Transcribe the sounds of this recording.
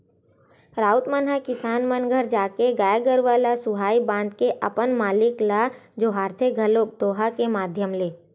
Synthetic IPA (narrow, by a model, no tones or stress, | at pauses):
ɾaːʊt̪mənɦakɪsaːnmənɡʱəɾd͡ʒaːkeɡaːjɡəɾʋaːlasʊɦaːibãːnd̪keʔɐpənmaːlɪklaːd͡ʒoːɦaːɾt̪ʰeɡʱəloːk̚d̪oːɦakemaːd̪ʱjəmleː